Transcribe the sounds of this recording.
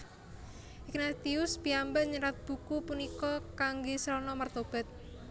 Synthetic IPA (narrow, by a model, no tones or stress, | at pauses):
ik̚nat̪iʊsb̥iambəʔɲəɾat̪̚b̥ṳkupunikɔkaŋɡesəɾɔnɔmart̪ob̥ɛ̤t̪̚